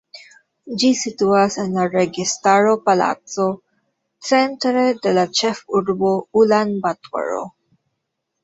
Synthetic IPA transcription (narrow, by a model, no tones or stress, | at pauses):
d͡ʒisit̪uasɛnlaɾɛɡist̪aɾopala̰t̪so | sɛ̃nt̪ɾed̪ɛlat͡ʃɛfuɾboulanbat̪wa̰ɹo̰